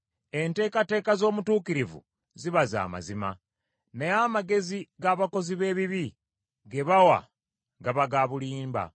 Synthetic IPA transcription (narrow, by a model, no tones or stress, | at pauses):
e̞nte̞ːkate̞ːkazo̞ːmutuːkiɾivṵ | ziβaza̰ːma̰zima̰ | nejaːmaɡe̞ziɡaːβako̞ziβe̞ːβiβi | ɡe̞βawa̰ | ɡaβaɡaːβuliːmba̰